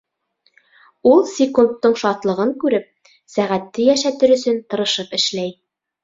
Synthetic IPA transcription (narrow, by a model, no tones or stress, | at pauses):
ulˠsʲɪkunt̪ːɤɴʃɑt̪lˠɤ̆ʁɤŋkʉɾɘp̚ | sæʁæt̪ːɘjæʃæt̪ɘɾɵ̆sɵnt̪ɤ̆ɾɤ̆ʃɤpɘ̆ʃlæj